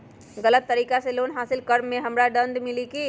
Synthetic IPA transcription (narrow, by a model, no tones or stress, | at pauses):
ɣɐlət̪ːɐɾiːkaseloːnɦaːsɪlkɐɾmːẽɦɐmɾaɖɐ̃nd̪mɪlikiː